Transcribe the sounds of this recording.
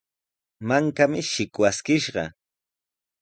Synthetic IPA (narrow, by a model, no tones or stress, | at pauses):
maŋkamɪʃɪkwaskɪʃɢɑ̰